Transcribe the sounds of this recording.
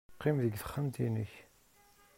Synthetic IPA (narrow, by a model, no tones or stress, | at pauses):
qːimðəɡθə̥χːəmt̪inəç